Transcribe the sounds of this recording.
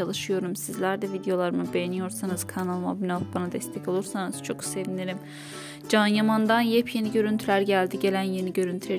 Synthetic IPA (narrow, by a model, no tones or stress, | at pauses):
alˠɯʃɯjo̞ɾumsizlʲæɾd̪ɛvid̪ejo̞lˠaɾɯmɯbe̞jenijo̞ɾsanɯz̥kʰanalˠma̰bynalˠbanad̪ɛst̪ʰɛco̞lˠuɾsanɯz̥t͡ʃʰo̞kse̞vineɾim | d͡ʒanjamand̪anjɛpʰje̞niɟø̞ɾynt̪ʰylʲæɾɟælʲd̪iɟe̞lʲænjeniɟø̞ɾynt̪ʰyɾe